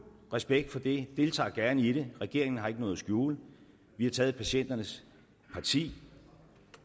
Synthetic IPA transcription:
ʁɛsb̥eɡ̥̚d̥fɒ̽d̥e̝d̥e̝lt͡sʰɑ̰̈ːɡ̥æɐnəiɾ̥e̝ʁɛɡ̥e̝ɐ̰eŋn̩ɦɑ̈e̝ɡ̥ənɔ̽ːð̩ˠsɡ̥juːl | ʋihɑ̈t͡sʰɛːð̩ˠpʰæɕen̰d̥ɐnəs | pʰɑ̈t͡sʰḭː

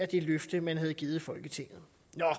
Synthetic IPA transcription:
æd̥e̝løfd̥əmænɦæð̞̩ˠɡ̥iːð̩ˠfɒ̽lɡ̥ət͡sʰe̝ŋ̰ð̩ˠ | nɒ

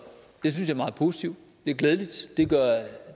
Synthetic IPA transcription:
d̥e̝s̬ynsjɑ̈ɐmɑ̈ːð̞̩ˠpʰo̝ːsi̥t͡sʰiʊ̰d̥ | d̥e̝æɐɡleːðˠlid̥d̥e̝ɡ̥ɶɐ̰

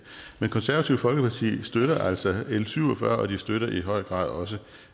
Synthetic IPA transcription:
menkʰɒ̽nsæɐʋæt͡sʰiʊ̰fɒ̽lɡ̥əpʰɑ̈t͡sʰḭːsd̥øɾ̥ɐʔæl̰sɒelsyʊ̰ɒfɶːɐʔɒ̽d̥isd̥øɾɐʔiɦɒ̽ɪ̰ɡ̥ʁɑ̰̈ːð̰ˠɒ̽s̬ə

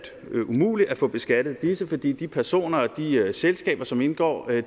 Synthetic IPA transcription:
d̥ | umṵːli̥æfɔ̽b̥e̝sɡ̥æd̥ð̞̩ˠd̥isəfɒ̽d̥ḭːd̥ipʰæɐso̝̰ːnɐɒ̽d̥iøselsɡ̥ɛ̰ːb̥ɐsɒ̽me̝nɡ̥ɒ̰ː

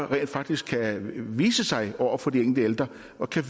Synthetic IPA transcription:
ʁɛ̰ːnd̥fɑ̈ɡ̥̚d̥isɡ̥kʰæʋiːsəsɑ̈ɪɒʊ̰ɐfɒ̽d̥ieŋl̩d̥əeld̥ʁɐ | ɒ̽kʰæ

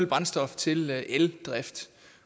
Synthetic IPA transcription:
lb̥ʁɑ̈nsd̥ɒ̽ft͡sʰe̝lʔeld̥ʁafd̥

